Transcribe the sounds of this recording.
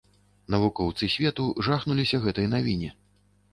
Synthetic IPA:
nɐvukɔwt̪sɨsʲvʲɛt̪uʐaxnulʲisʲɐɣɛt̪ɐjnavʲinʲi

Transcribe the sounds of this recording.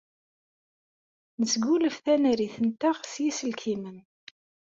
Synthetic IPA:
nəsɡuləfθænəɾiθənt̪aʁsjisəlkʰimən

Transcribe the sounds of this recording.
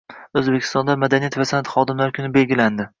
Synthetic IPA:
ɵzbekʲʰɪ̥st̪ɒnd̪amad̪anijat̪vasanat̪χɒd̪ɪmlaɾkʲʰʊnɪbe̞lɡʲɪland̪ɪ

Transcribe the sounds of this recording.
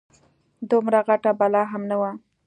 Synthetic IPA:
d̪ʊmɾaɣaʈabalɑɦamnawa

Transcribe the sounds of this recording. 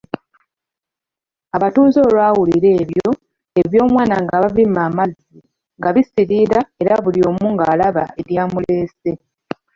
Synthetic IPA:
aβatuːzo̞ːlaːwuliɾe̞ːβjo̞ | e̞βjo̞ːmwaːnaŋɡaβavimaːmazːi | ŋɡaβisiɾiɾae̞ɾaβulio̞ːmuːŋɡaːlaβa̰e̞ɾjaːmule̞ːse̞

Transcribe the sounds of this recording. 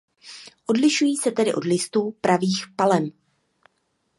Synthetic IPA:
ʔo̞dlɪʃujiːsɛt̪ɛdɪʔo̞dlɪst̪uːpɾʔaviːxpalɛm

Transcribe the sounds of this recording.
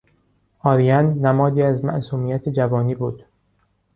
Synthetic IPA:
ʔɒːɾijænːæmɒːd̪iːæzmæ̰ʔsuːmijæt̪ʰed͡ʒævɒːniːbuːd̪̥

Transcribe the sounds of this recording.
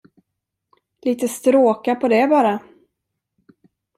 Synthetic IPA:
liːt̪əst̪ɾoːkapʰɔd̪ɛbɑːɾa

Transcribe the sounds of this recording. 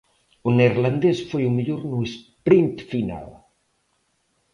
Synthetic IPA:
uneɾland̪esfejumiʎoɾnuespɾint̪fina̰l

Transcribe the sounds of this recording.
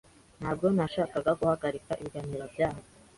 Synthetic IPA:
n̥haːb̚ɡo̞naʃaːkaɡaɡuhaɡaɾikaʔiβiɡaniɾabjaːha

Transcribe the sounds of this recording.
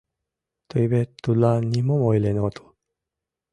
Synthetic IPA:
t̪oibet̪ːulanːimomoilenot̪o̥

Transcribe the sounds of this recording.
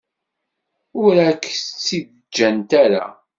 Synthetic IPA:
ʊɾækːt͡sːið | d͡ʒːænt̪æɾa̰

